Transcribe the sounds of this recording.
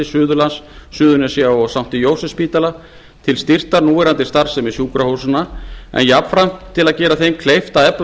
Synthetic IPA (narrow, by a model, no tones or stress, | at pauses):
ɪsʏːðʏlansːʏːðʏnɛsjaɔɣsawm̥t̪ɪjoːwsɛspiːt̪ala | t̪ʰɪlst̪ir̥t̪aɾnuːɪɾant̪ɪ̥st̪aɾ̥sɛmɪ̥sjuːkɾahowsʏnaɛ̰njapfɾam̥t̪ʰɪlaðcɛːɾaθejmkʰlejft̪aðɛpl